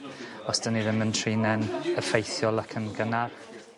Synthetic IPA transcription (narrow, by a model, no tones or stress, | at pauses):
ɔsd̥əniðəməntʰriːnɛnəfejθjɔlˠəkʰənɡəna